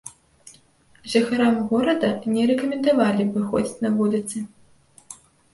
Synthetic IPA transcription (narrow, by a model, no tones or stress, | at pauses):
ʒɐxaɾamɣɔɾɐd̪ɐnʲɛɾɛkɐmʲɛnd̪avalʲivɨxɔ̰d͡zʲit͡sʲnɐvulʲit̪sɨ